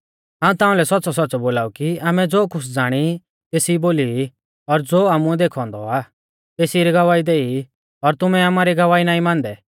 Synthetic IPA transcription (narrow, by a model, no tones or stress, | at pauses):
ɦãːũt̪aːũlɛsɔtːsɔsɔtːsɔboːlaːukiaːmɛd͡zoːkʊsd͡zaːɽ̃i | t̪eːsiboːli | ɔɾd͡zoːaːmuɛd̪eːkʰɔ̃ːnd̪ɔ̰aː | t̪eːsiɾiɡɐʋaːid̪eːi | ɔɾt̪ʊmɛaːmaːɾiɡɐʋaːinaːĩmãːnd̪ɛ